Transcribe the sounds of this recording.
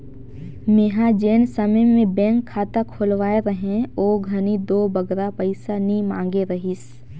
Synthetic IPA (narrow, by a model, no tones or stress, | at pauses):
meɦad͡ʒeːnsəməjmẽbɛ̃ːŋkʰːaːt̪akʰʊlʋaːeɾɐɦẽoːɡʱɐnid̪oːbɐɡɾapəɪsanimãːŋɡeɾɐɦɪs